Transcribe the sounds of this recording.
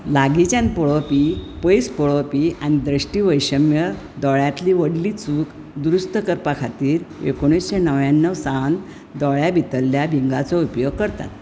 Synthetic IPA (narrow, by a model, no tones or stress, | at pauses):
laɡit͡ɕjanpɔɭɔpipəjspɔɭɔpiaɽ̃id̪ɾəɕʈiːʋəjɕəmjə | d̪ɔɭjat̪liʋəɽliːt͡suːk | d̪ɾust̪əkəɾpakʰat̪iːɾekoɽ̃isɕenəʋjanːəʋsan | d̪ɔɭjabʱit̪əlːjabʱiŋɡat͡sɔupjoɡ̚kəɾt̪a̰t̪